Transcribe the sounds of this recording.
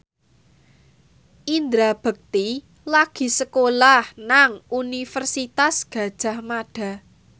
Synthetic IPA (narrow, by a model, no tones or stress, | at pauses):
ʔind̪ɾab̥ə̤k̚t̪i | laɡ̥i̤səkolahnaŋunifərsit̪asɡ̥ä̤d̥ʒ̥a̤hmaɖ̥a̤